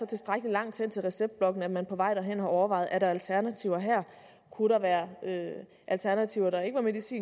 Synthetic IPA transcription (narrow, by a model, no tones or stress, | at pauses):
sɒ̽t͡sʰe̝sd̥ʁaɡ̥əlilɑ̈ŋ̰d̥shen̰t͡sʰe̝lʁɛseb̥d̥̚b̥lɒ̽ɡ̥n̩æ̥mænpʰɒ̽ʋɑ̈ɪ̰d̥ɑɦen̰hɑ̈ɒʊɐʋɑ̈ɪð̩ˠæɾ̥ɑ̈ælt͡sʰæɐnæt͡sʰiʊɐɦæɐ̰ | kʰuɾ̥ɑ̈ʋæːɐø | ʔælt͡sʰæɐnæt͡sʰiʊɐɾ̥ɑ̈e̝ɡ̥əʋɑ̈me̝dˠisḭː